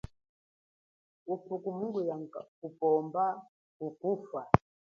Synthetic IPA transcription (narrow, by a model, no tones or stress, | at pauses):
upukumuŋɡujaŋakupɔmba | kukufa